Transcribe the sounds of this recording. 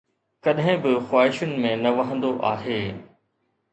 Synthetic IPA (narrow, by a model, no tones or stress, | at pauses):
kɐɗɦɪ̃bɪxwaːɦɪʃʊnɪ̆mẽnɐʋɐɦə̃nd̪oʔaːɦeː